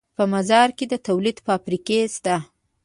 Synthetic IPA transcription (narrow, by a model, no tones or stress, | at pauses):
pəmazɑɾked̪ət̪awlid̪pəafɾikest̪a